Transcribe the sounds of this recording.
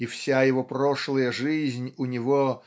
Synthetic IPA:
ifsʲajɪvoproʂlˠəjəʐɨzʲnʲʊnʲɪvo

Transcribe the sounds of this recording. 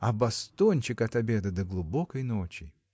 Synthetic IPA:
ɐbɐst̪onʲt͡ɕɪkɐt̪ɐbʲed̪ɨd̪əɡlˠʊbokəjnot͡ɕɪ

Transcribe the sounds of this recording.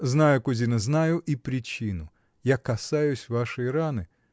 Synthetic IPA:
znajʊkʊzʲinɐznajʊʔipɾʲɪt͡ɕinʊ | jakɐsajʊsʲvaʂɨjɾanɨ

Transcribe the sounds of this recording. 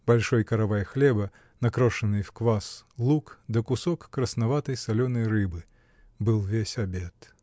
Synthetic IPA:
b̥alʲʂɔjkɐɾavajxlʲɛbɐ | nakɾɔʂɐnɨjfkvaslˠukd̪ɐkusɔkːɾɐsnavat̪ɐjsalʲɔnɐjɾɨbɨ | bɨlˠvʲesʲabʲɛt̪

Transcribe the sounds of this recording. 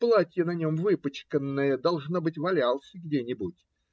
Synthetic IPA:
plˠatʲjənɐnʲo̞mvɨpət͡ɕkənːəjəd̪ɐlˠʐnobɨtʲvɐlʲalˠsʲəɡdʲenʲɪbutʲ

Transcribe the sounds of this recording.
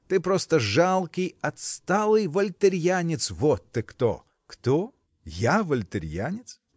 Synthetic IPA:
t̪ɨpɾost̪əʐalˠkʲɪjɐt̪st̪alˠɨjvəlʲt̪ɨɾʲjanʲɪt̪svot̪ːɨkt̪o̰ | kt̪o | javəlʲt̪ɨɾʲjanʲɪt̪s

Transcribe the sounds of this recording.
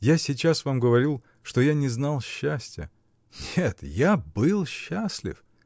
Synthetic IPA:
jasʲɪt͡ɕasvamɡəvɐɾʲilˠ | ʂt̪o̞janʲɪznalˠɕːasʲtʲjə̰ | nʲet̪jabɨlˠɕːasʲlʲɪ̰f

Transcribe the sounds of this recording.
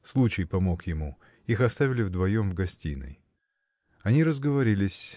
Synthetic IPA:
slˠut͡ɕɪjpɐmo̞kjɪmu | ixɐst̪avʲɪlʲɪvd̪vɐjo̞mvɡɐsʲtʲḭnɨ̰j | ɐnʲiɾəzɡəvɐɾʲilʲɪsʲ

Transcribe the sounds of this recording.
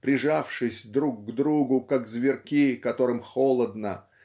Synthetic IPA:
pɾʲɪʐafʂɨsʲd̪ɾukːd̪ɾuɡʊkakzvʲɪrkʲikɐt̪o̞ɾɨmxolˠəd̪nə

